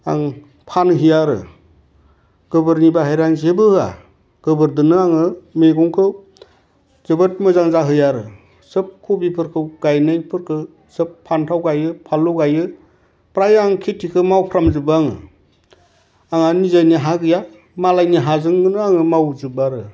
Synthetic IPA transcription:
a̰ŋ | pʰanɦɯjaɾɯ̰ | ɡ̥ɯbɯɾnibaɦajɾaŋzebɯhɯa̰ | ɡ̥ɯbɯɾdɯnɯaŋɯmeɡɔŋkʰɯw | zɯbɯt̚mɯzaŋzaɦɯjaɾɯ̰ | sɯp̚kʰubipʰɯɾkʰɯwɡ̥ajnajnpʰɯɾkʰɯ | sɯpʰːantʰawɡajɯpʰaluɡajɯ | pɾajaŋkʰetʰikʰɯmawpʰɾamzɯbaŋɯ̰ | aŋanizajniɦaɡɯja | malajniɦazɯŋdɯnɯaŋɯmawzɯbaɾɯ

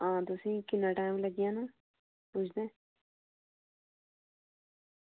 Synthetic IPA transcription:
ãːt̪ʊsĩːkɪnaʈãːũləɡijãːnũː | put͡ʃʰd̪ẽː

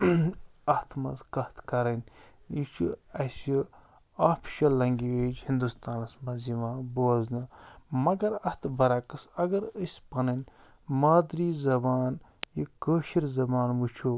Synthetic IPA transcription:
ɐht̪ʰmɐ̰zkɐht̪ʰkɐɾɐnʲit͡ʃʰṵɐsi | aːpʰʃɐlːɐŋɡiʋeːd͡ʒhind̪ust̪aːnɐsmɐziʋãːboɐznɐmɐɡɐɾɐt̪ʰbɐɾɐkɐsɐɡɐɾəsʲpɐnɐnʲ | maːd̪ɾiːzɐbaːnjikəːʃiɾzɐbaːnʋut͡ʃʰu

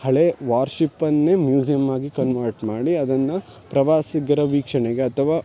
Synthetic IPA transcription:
hɐɭeʋaːɾʃipːɐnːemjuːsijɐmːaːɡikɐnʋɐɾʈmaːɽiɐd̪ɐnːɐ | pɾɐʋaːsiɡɐɾɐʋiːkʂɐɳeɡeɐt̪ʰɐʋaː

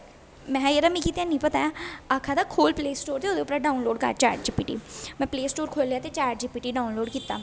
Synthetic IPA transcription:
mɛ̃ːeɾamĩːkiːt̪ãnəĩːpət̪aːaakʰaːd̪akʰoːlpleːsʈoːɾt̪eoːd̪eʊpɾaɖaːʊnloːɖkə̰ɾt͡ʃaːɾʈ̚d͡ʒiːpiːʈḭːmɛ̃ːpleːsʈoːɾkʰoːlejaːt̪et͡ʃaːɾʈ̚d͡ʒiːpiːʈiːɖaːʊnloːɖkiːt̪ːa̰ː

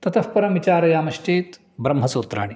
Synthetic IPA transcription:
t̪ɐt̪ʰɐfpɐɾɐmʋit͡ʃaːɾɐjaːmɐʃʈeːt̪ | bɾɐmɦɐsoːt̪ɾa̰ːɳi

